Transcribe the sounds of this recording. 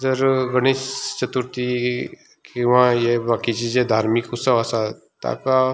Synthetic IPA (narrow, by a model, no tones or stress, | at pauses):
zəɾɡəɽ̃ist͡ʃət̪uɾt̪i | kiʋãjebaːkit͡ʃid͡ʒed̪ʱaːɾmikusəʋasa | t̪a̰ka